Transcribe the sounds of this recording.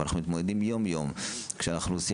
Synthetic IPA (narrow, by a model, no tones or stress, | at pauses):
naχnumit̪mod̪ed̪imjo̞mjo̞mkʃeanaχnuosi